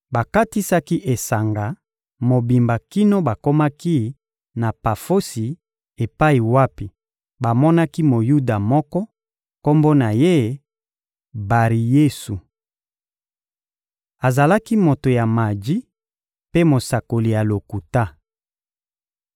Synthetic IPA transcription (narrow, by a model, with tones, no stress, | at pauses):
ba˨ka˦ti˦sa˦ki˦ʔe˨sa˨ŋɡa˨ | mo˨bi˨mba˨ki˦no˦ba˨ko˦ma˦ki˦ | na˨pa˨fo˦si˨ | e˨pa˦i˨wa˦pi˨ | ba˨mɔ˦na˦ki˦mo˨ju˦da˨mɔ˦kɔ˦ | ko˦mbo˦na˨je˦ | ba˨ʁi˨je˦su˨ | a˨za˨la˦ki˦mo˨to˨ja˨ma˨di˦ | pe˦mo˨sa˨ko˨li˨ja˨lo˨ku˨ta˦